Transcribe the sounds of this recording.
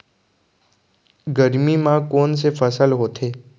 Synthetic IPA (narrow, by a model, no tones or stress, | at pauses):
ɡəɾmimãkoːns̬efəsəlɦoːt̪ʰeː